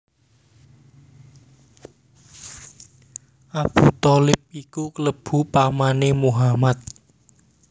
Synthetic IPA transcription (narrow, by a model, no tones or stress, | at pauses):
ʔab̥ṳt̪ɔlɪp̚ikukələb̥ṳpamanemuɦamat̪̚